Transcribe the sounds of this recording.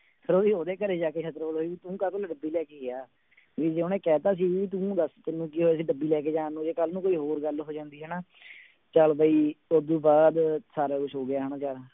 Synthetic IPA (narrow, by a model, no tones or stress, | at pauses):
sʰəɾoːd̪iːoːd̪eːkəɾeːd͡ʒaːkeːkʰət̪ɾoːlɦoːiːʋiːt̪ũːkət̪oːlɖəbiːlɛːkeːɡeaː | ʋiːd͡ʒeːõːneːkɛːt̪aːs̬iːʋiːt̪̬ũːd̪əst̪ɪnːũːkiːɦoːes̬iːɖəbːiːlɛːkeːd͡ʒãːnũːd͡ʒeːkəlnũːkoːiːɦoːɾɡəlɦoːd͡ʒãːnd̪iːɦɛːnaː | t͡ʃaːlbaiːod̪ũːbaːd̪saːɾaːkʊt͡ʃʰɦoːɡɪaːɦənãːt͡ʃaːl